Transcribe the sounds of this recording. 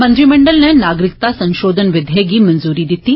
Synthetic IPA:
mɐnd̪ɾimɐɳɖɐlnɐnaːɡɾik̚t̪asɐŋʃoːd̪ʱɐnɐʋɐd̪ʱjeːɡimɐnzuːɾiːd̪it̪ːi

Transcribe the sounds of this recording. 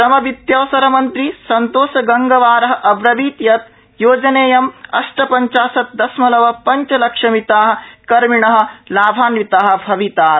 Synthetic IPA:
ɾɐmɐʋit̪jɐːsɐɾɐmɐnt̪ɾisɐnt̪oːsɐɡɐŋɡɐʋaːɾɐɦɐ̆ʔɐbɾɐʋiːt̪jɐt̪ | joːd͡ʒɐneːjɐmɐ̰ʂʈɐpɐɲt͡ʃaːsɐt̪̚d̪ɐsmɐlɐʋɐpɐɲt͡ʃɐlɐkʂɐmit̪aːɦɐ̆kɐɾmiɳɐɦɐ̆laːbʱaːnʋit̪aːɦɐ̆bʱɐʋit̪aːɾ

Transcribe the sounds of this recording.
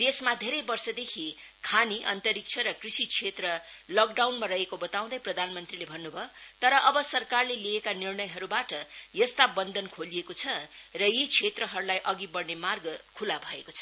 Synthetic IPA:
d̪esmad̪ʱeɾʌjbʌrsʌd̪ekʰi | kʰaniʔʌ̰nt̪ʌɾik̚t͡sʰʌɾʌkrisit͡sʰet̪rʌ | lʌk̚ɖawnmaɾʌɦekobʌt̪aw̃d̪ʌjprʌd̪ʱanmʌnt̪rilebʱʌnːubʱʌt̪ʌɾʌʔʌbʌsʌrkarleliekanirnʌjɦʌɾubaʈʌjʌst̪abʌnd̪ʱʌnkʰolijekot͡sʰʌrʌjit͡sʰet̪rʌɦʌɾulajʔʌɡibʌɽnemarɡʌkʰulabʱʌekot͡sʰʌ

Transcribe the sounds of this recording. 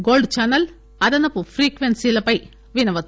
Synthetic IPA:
ɡoːlɖt͡ɕɐnɐl | ɐd̪ɐnɐpufriːkʋensilɐpɐj | ʋinɐʋɐt̪

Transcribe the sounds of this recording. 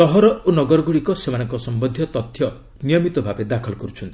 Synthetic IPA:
ɔɦɔɾɔonɔɡɔɾɔɡuɽikɔsemanɔŋkɔsɔmbɔnd̪ʱjɔt̪ɔt̪ʰːjɔ | nijɔmit̪ɔbʱabed̪akʰɔlɔkɔɾut͡ʃʰɔnt̪ii̥

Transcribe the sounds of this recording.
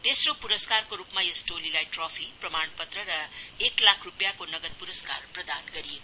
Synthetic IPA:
t̪esropuɾʌskarkoɾupmaesʈolilajʈropʰiprʌmanpʌt̪rʌɾʌeklakʰrupjakonʌɡʌt̪̚puɾʌska̰rprʌd̪anɡʌɾiet̪

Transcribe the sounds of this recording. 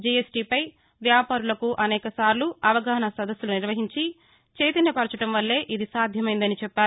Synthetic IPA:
d͡ʒiesʈiːpɐj | ʋjaːpaːɾulɐkuʔɐnɛːkɐsaːɾluɐʋɐɡaːɐnɐsɐd̪ɐsːuluniɾʋɐɦiɲt͡ʃi | t͡ʃe̞ːt̪inɐpɐɾt͡ʃɐʈɐmʋɐlːe̞ːʔid̪isaːd̪ʱjɐmɐjnd̪ɐnit͡ʃɛpːaːɾu

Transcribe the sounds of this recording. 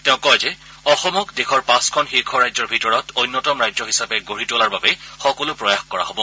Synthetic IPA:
tɛ̃ʊ̃kɔjzɛ | ɔxɔmɔkdexʰɔɹpãskʰɔnxiɹkʰɔɹajzɔɹbʱitɔɹɔtʰojnːɔtɔmɹajzɔɦisapɛɡoɹitolaɹbabɛxɔkɔlʊpɹɔjaxkɔɹa̰ɦobɔ

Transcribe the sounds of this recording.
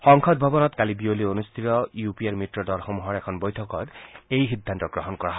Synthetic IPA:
xɔŋkʰɔd̪̚bʱɔbɔnɔt̪kalibiolionust̪ʰit̪ɔjupiaɹmitɹɔdɔɹxɔmuɦɔɹɛkʰɔnbɔjt̪ʰɔkɔtejxid̪ʱːant̪ɔɡɹɔɦɔnkɔɹaɦ

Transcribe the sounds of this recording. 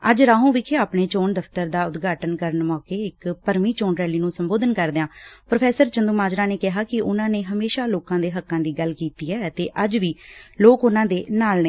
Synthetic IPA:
əd͡ʒɾaːɦũːʋɪkʰeːaːpneːt͡ʃoːnd̪əft̪əɾd̪aːʊd̪ɡaːʈənkəɾəɳmɔːkeːɪkpəɾmiːt͡ʃoːnɾɛːliːnũːsəmboːd̪ənkəɾd̪eãːpɾopʰɛːsəɾt͡ʃənd̪uːmaːd͡ʒɾãːneːkɪɦaːkɪʔʊnãːneːɦəmeːʃaːloːkãːd̪eːɦəkːãːd̪iːɡəlkiːt̪iːɛːət̪eːʔəd͡ʒʋiːloːkʊnãːd̪eːnaːlneː

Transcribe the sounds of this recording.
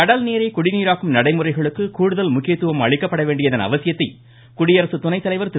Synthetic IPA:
ɐɽɐlneːɾɐɪkʊɽɪniːɾaːkɯmnɐɽɐɪmɯrɐɪɣɐɭɯkːɯkuːɽɯðɐlmʊkːɪjɐt̪ːɯʋɐmɐ̰ɻɪkːɐpːɐɽɐʋeːɳɖɪjɐðɐnɐ̰ʋɐsɪjɐt̪ːɐɪ | kʊɽɪjɐɾɐsɯt̪ʊnɐɪt̪ːɐlɐɪʋɐɾt̪ɪ

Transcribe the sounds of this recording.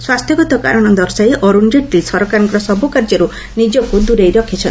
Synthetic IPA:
swast̪ʰjɔɡɔt̪ɔka̰ɾɔɽ̃ɔd̪ɔɾsajʔɔɾund͡ʒeʈ̪ːisɔɾɔkaɾŋkɔɾɔsɔbukaɾd͡ʒɔɾu | nid͡ʒɔkud̪uɾejɾɔkʰit͡ʃʰɔnt̪

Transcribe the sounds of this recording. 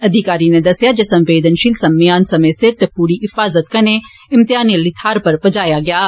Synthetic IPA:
ɐd̪ʱɪkaːɾiːned̪ɐsjaːd͡ʒəsə̃mʋeːd̪ənʃilsɐmɪjaːnsɐmẽːsɪɾt̪puːɾiːɦɪfaːzət̪kɐne | ɪmt̪ɪaːniəliːt̪ʰaːɾpəɾbəd͡ʒaːjaːɡɪaː

